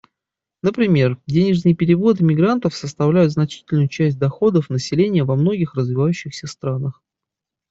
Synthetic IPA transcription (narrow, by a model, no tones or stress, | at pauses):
nəpɾʲɪmʲe̞rdʲenʲɪʐnɨjpʲɪɾʲɪvo̞t̪ɨmʲɪɡɾant̪əfsəst̪ɐvlʲæjʊt̪znɐt͡ɕi̥tʲɪlʲnʊjʊt͡ɕæsʲt̚ʲd̪ɐxo̞d̪əfnəsʲɪlʲenʲɪjəvɐmno̞ɡʲɪxrəzvʲɪvajʉɕːɪxsʲəst̪ɾanəx